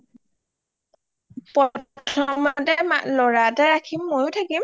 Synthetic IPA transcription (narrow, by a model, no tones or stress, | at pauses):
pɔtʰɔmatɛma̰lɔɹatɛɹakʰimːojʊtʰakim